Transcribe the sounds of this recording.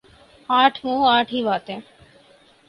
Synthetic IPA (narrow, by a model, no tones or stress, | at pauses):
aːʈʰmũːaːʈʰiʋaːt̪e